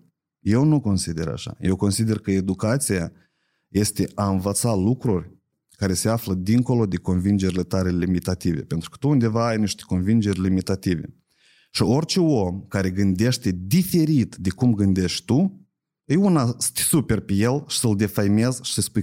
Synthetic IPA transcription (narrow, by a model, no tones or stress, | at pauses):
je̞wnuko̞nsid̪e̞ɾa̰ʃa̰jewko̞nsid̪e̞rkəe̞d̪ukat̪sija | je̞st̪e̞ʔaɨnvət̪salukɾurʲ | kaɾe̞seafləd̪iŋko̞lo̞d̪e̞ko̞nvind͡ʒe̞ɾʲile̞t̪aɾe̞limit̪at̪ive̞̰pent̪ɾukə̥t̪uund̪e̞vaːjniʃt̪e̥ko̞nvind͡ʒe̞rʲlimit̪at̪ivḛ | ʃio̞rʲt͡ʃeomkaɾe̞ɡɨnd̪e̞ʃt̪e̞d̪ife̞ɾit̪d̪ekumɡɨnd̪e̞ʃt̪ʲt̪u | ɨjunasɨ̥t̪supe̞rpeje̞lʃi̥səld̪e̞fajme̞zʃi̥səspuj